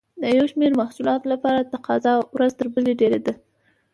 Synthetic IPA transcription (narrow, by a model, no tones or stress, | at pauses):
d̪əjawʃmeɾmahsulɑt̪olapɑɾat̪aqɑzɑwɾazt̪əɾbəleɖeɾed̪a